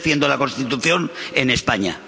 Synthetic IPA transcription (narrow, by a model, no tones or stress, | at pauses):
θje̞nd̪olako̞nst̪it̪uθjo̞ne̞ne̞spaɲa̰